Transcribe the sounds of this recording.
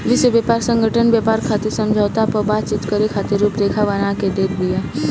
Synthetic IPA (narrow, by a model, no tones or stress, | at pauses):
ʋɪʃwebepaːɾsə̃ŋɡʱəʈʰənbjapaːɾkʰaːt̪esə̃md͡ʒʱəʋt̪apəbaːt̪̚t͡ʃɪt̪kəɾekʰaːt̪eɾuːpɾeːkʰaʋɐnaked̪eːk̪ʰbija